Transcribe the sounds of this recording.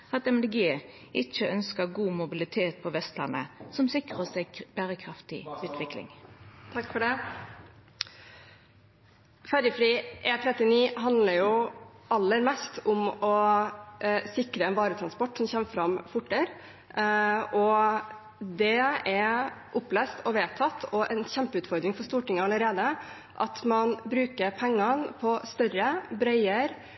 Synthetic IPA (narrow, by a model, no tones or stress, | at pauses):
ɑt̪ɛmd̪ɛɡeː | ʔɪt͡ʃːəœnskəɡuːmʊbɪlɪt̪ʰeːt̪̚pʰɔʋɛst̪lɑ̰nə̰sɔmsɪkʁəsæɪɡbæːɾəkʰɾɑft̪ɪ̰ʉːt̪ʋɪklɪ̰ŋt̪ʰɑkːfɔɖɛ | fæɾəfɖiːʔeːt̪ʰɾɛt̪ːɪniːɦɑnd̪ləɾjʊʔɑlːəɾmɛst̪ʊmɔ | sɪkɾəɛnʋɑːɾət̪ʰɾɑnspɔʈːsɔmçɛmːəfɾɑmfʊʈːəɾ | ɔ | d̪ɛɛɾʔʊplɛːst̪ɔʋeːt̪ʰɑt̪ʰːɔʔɛnçɛmpəʉːt̪fɔɾd̪ɾɪŋfɔɾʂt̪uːʈɪŋːəɑləɾeːd̪ə | ʔɑ̰t̪mɑnbɾʉːkəɾpʰɛŋːɑnpʰɔst̪œɾəbɾœʏəɾ